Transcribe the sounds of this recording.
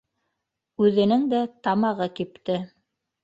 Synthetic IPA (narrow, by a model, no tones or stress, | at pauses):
ʉðɘ̆nɘŋd̪æt̪ɑmɑʁɤkipt̪ɘ